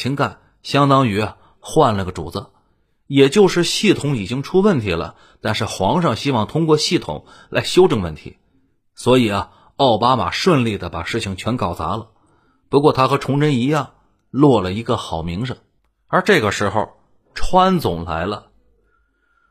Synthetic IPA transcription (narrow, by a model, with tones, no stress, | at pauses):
t͡ɕʰi˧˥ŋka˨˩n | ɕjɑ˥ŋt̪ɑ˥ŋy˧˥ɐ˧ | xwa˥˧nna˥˩ɡə˩ʈ͡ʂṵ˨˩t͡sə˧˩ | jɛ˨˩t͡ɕjo˥˧ʊʂɻ̩˥˧ɕi˥˩t̪ʰʊ˧˥ŋi˨˩t͡ɕi˥ŋʈ͡ʂʰu˥wə˥˩nt̪ʰi˧˥lə̰˧ | t̪a˥˧nʂɻ̩˥˩xwɑ˧˥ŋʂɑ˥˧˩ŋɕi˥wɑ˥˩ŋt̪ʰʊ˥ŋkwɔ˥˧ɕi˥˩t̪ʰʊ̰˨˩˦ŋ | la̰˧˥ɪɕjo˥ʊʈ͡ʂɤ˥˧ŋwə˥˩nt̪ʰḭ˧˥ | swɔ˧˥i˨˩ɐ˧ | ɑ˥˩ʊpa˥ma̰˨˩ʂwə˥˧nli˥˩d̪ə˩pa˨˩ʂɻ̩˥˩t͡ɕʰi˨˩ŋt͡ɕʰɥɛ˧˥nkɑ˨˩ʊt͡sa̰˧˥lə˧ | pu˧˥kwɔ˥˩t̪ʰa˥xɤ˧˥ʈ͡ʂʰʊ˧˥ŋɻə˥ni˧˥jɑ˥˩ŋ | lwɔ˥˩lə˩i˧˥ɡə˧xɑ˨˩ʊmi˧˥ŋʂə˥˧˩ŋ | ə˞˧˥ʈ͡ʂɤ˥˩ɡə˩ʂɻ̩˧˥xo˥˧ʊ | ʈ͡ʂʰwa˥nt͡sʊ˨˩ŋla̰˧˥ɪlə˧